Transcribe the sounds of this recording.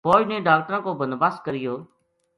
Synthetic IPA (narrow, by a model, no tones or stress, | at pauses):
poːd͡ʒnẽːɖaːk̚ʈɾãːkoːbənbaːskəɾɪjoː